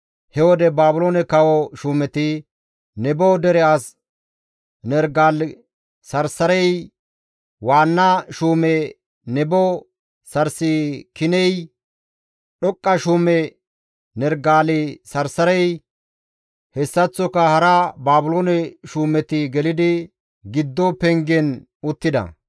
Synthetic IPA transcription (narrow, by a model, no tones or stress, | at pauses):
hɛwɔd̪ɛbaːbʊloːnɛkɐwɔʃuːmɛt̪ɪ | nɛbɔd̪ɛɾɛɐs | nɛɾɡaːl | sɐɾsɐɾɛj | waːnːaʃuːmɛ | nɛbɔ | sɐɾsikɪnɛj | ɗɔkʼːɐʃuːmɛ | nɛɾɡaːlɪsɐɾsɐɾɛj | hɛsːɐt͡sːɔkɐhɐɾɐbaːbʊloːnɛʃuːmɛt̪ɪɡɛlɪd̪ɪ | ɡɪd̪ːɔpɛŋɡɛn | ʊt̪ːɪd̪ɐ̰